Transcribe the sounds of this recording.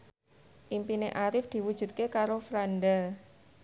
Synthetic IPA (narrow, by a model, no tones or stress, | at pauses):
ʔimpineʔaɾɪfd̪̥i̤wud̥ʒ̥ṳt̪̚kekaɾofɾandə